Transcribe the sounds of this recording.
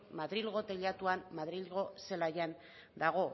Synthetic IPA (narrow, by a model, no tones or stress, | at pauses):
maðɾilɣo̞t̪eʎat̪uammaðɾilɣo̞se̞lajan | d̪aɣ̞o̞